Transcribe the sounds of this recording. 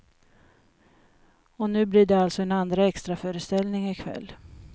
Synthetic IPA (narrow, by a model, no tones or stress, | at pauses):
ɔnʉ̟ːbliːɖɛalt̪sɔɛnand̪ɾaɛkst̪ɾafœːɾəst̪ɛlnɪŋɪkʰvɛ̰lː